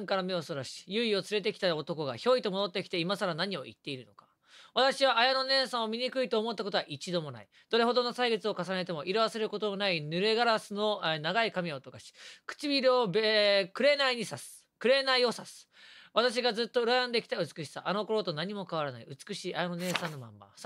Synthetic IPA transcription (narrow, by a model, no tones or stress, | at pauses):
ŋkaɾamʲeosoɾaɕi̥jɯ̟io̞t͡sɨɾe̞t̪e̞kʲi̥t̪aot̪o̞ko̞ɡa̰ço̞ːit̪o̞mod̪o̞t̪ːe̞kʲi̥t̪e̞imasaɾanaɲ̟io̞̰ʔḭt̪ːe̞iɾɯ̟no̞kḁ | βat̪aɕiβaʔːjano̞nẽ̞ɰ̃sãɰ̃omʲiɲ̟ikɯ̟it̪o̞ːmo̞t̪ːakot̪o̞aʔit͡ɕid̪o̞mo̞na̰i | d̪̥o̞ɾe̞ɦo̞d̪o̞nosaiɡet͡sɨo̞kasane̞t̪e̞mo̞ʔiɾaβase̞ɾɯ̟ko̞t̪o̞monainɯ̟ɾe̞ɡaɾasɨno̞naɡaikamʲiaot̪o̞kaɕi̥kɯ̥t͡ɕibʲiɾɯobkɯ̟ɾe̞naiɲ̟isasɨ̥ | kɯ̟ɾe̞naio̞sasɨ̥ | βat̪aɕ̬iɡazɨt̪ːo̞ɯ̟ɾajãnd̪e̞kʲi̥t̪aɯ̟t͡sɨ̥kɯ̟ɕi̥saʔano̞ko̞ɾo̞t̪o̞naɲ̟imo̞kaβ̞aɾanaiɯ̟t͡sɨ̥kɯ̟ɕiːʔajanone̞ːsãnːo̞mã̰mːa̰s